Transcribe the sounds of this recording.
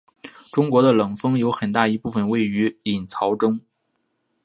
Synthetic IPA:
ʈ͡ʂʊ˥ŋkwɔ˧˥d̪ə˧lɤ˨˩ŋfɤ˥ŋjo˧˥ʊxə˨˩nt̪a˥˩i˧˥pu˥˩fə˨˩nwe˥˩ɪy˧˥i˨˩nt͡sʰɑ˧˥ʊʈ͡ʂɤ˥ŋ

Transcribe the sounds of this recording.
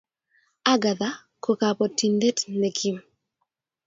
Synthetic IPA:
a˦ɡa˨ða˦ | kʰo˨ka˨pɔ˨ti˨nde˦tnɛ˨kʰi˦m

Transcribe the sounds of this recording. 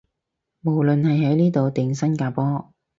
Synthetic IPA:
mo˨˩wlɵ˨nhɐ˨jɦɐ˨˥jniː˥t̪o˨wt̪ɪ˨ŋsɐ˥nkaː˧pɔː˥

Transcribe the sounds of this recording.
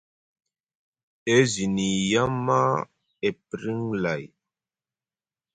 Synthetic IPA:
e˦zi˨ni˨ja˦ma˦ | e˨pɾi˦ŋla˨j

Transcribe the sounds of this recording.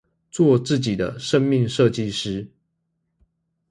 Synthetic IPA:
t͡swɔ˥˧t͡sɹ̩˥˩t͡ɕi˨˩d̪ə̰˦ʂə˦ŋmi˥˧ŋʂɤ˥˧t͡ɕi˥˨ʂɻ̩˥

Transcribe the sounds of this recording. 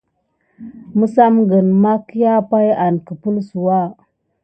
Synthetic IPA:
mə˦sa˦mɡə˨nma˦ki˦ja˦pa˦ja˨nkə˨pu˦lsu˨wa˦˨

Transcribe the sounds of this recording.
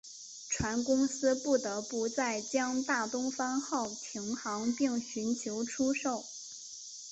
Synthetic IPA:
ʈ͡ʂʰwa˧˥nkʊ˥ŋsɹ̩˥pu˥˩t̪ɤ˧˥pu˧˥t͡sa˥˩ɪt͡ɕjɑ˥ŋt̪a˥˩t̪ʊ˥ŋfa˥nxɑ˥˩ʊt̪ʰi˧˥ŋxɑ˧˥ŋpi˥˩ŋɕy˧˥nt͡ɕʰjo˧˥ʊʈ͡ʂʰu˥ʂo˥˩ʊ

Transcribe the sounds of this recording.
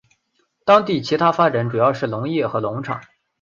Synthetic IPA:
t̪ɑ˥ŋt̪i˥˩t͡ɕʰi˧˥t̪ʰa˥fa˥ʈ͡ʂa˨˧˥nʈ͡ʂu˨˩jɑ˥˧ʊʂɻ̩˥˩lʊ˧˥ŋjɛ˥˩xɤ˧˥lʊ˧˥ŋʈ͡ʂʰɑ̰˨˩˦ŋ

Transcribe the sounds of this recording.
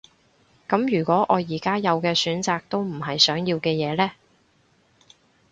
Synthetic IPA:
kɐ˨˥mjyː˨˩kʷɔː˨˥ʔɔː˨˧jiː˨˩kaː˥jɐ˨˧wkɛː˧syː˨˥nt͡saː˨k̚t̪o˥wm̩˨˩ɦɐ˨jsœː˨˥ŋjiː˧wkɛː˧jɛː˨˧lɛː˥

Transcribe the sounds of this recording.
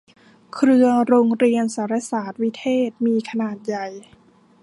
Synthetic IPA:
kʰɾɯ˧əɾoː˧ŋɾi˧ənsaː˩˦ɾa˧˥saː˨˩t̪̚wi˦˥t̪ʰeː˥˩t̪̚miː˧kʰa˧naː˨˩t̪̚ja˨˩j

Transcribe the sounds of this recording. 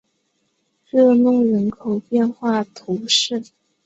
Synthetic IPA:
ɻɤ˥˧nʊ˥˩ŋɻə˧˥nkʰo˨˩ʊpjɛ˥˧nxwa˥˩t̪ʰu˧˥ʂɻ̩˥˩

